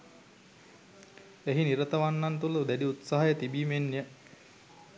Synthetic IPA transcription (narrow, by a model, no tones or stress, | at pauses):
eɦiniɾət̪əʋanːant̪ulud̪ædiut̪saɦajət̪ibiːmenːijə